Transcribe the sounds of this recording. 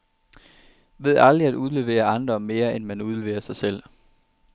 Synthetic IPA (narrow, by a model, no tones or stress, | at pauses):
ʋe̝ð̞̰ˠɑ̈ld̥ʁiæduðˠle̝ʋe̝̰ːɐɑ̈nd̥ɐmme̝ːɐenmænuð̞ˠle̝ʋḛːɐsɑ̈ɪsel̰